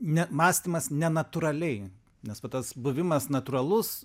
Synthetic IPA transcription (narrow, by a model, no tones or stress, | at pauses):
nʲɛmɑːsʲt̪ʲɪmɐsnʲɛnɐt̪ʊɾɐlʲɛɪ | nʲɛspɐt̪ɐsbʊʋʲɪmɐsnɐt̪ʊɾɐlˠʊs